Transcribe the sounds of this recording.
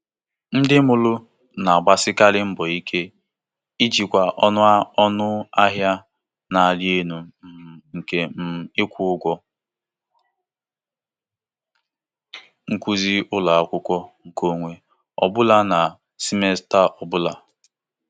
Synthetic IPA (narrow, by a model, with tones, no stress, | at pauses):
n̩˦dɪ˦mʊ˨lʊ˦ | na˨a˨ɡ͡ba˨sɪ˦ka˦lɪ˦m̩˦bɔ˨i˦kʰe˦ | i˦d͡ʒi˨kʷa˨ʔɔ˦nʊ˦ɔ˦nʊ˦a˦ɦja˦ | na˨a˨lje˦nu˨ŋ̩˨ke˦m̩˦˨ɪ˦kʷʊ˦ʊ˦ɡʷɔ˦ | ŋ̩˦kʷu˦zi˦ʔʊ˦la˨a˦˨kʷʊ˦kʷɔ˦ŋ̩˨ko˦ŋʷe˦ | ɔ̰˨bʊ˦la˨na˨ | si˦me˦sta˦ʔɔ˨bʊ˦la˨